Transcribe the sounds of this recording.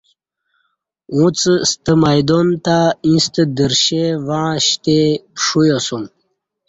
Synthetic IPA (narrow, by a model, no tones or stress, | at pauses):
ũt͡sst̪əmajd̪ont̪aĩst̪əd̪əɾɕevãːɕt̪epʂujosum